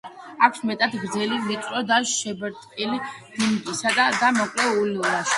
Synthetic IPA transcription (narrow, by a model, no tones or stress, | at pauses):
akʷʰsmɛt̪ʼad̪ɡɾd̪zɛlilit̪ʼɾɔd̪aʃɛbɛɾt̪ʼkʼilid̪̥imkʼisad̪ad̪amɔkʼlɛuliɔlaʃi̥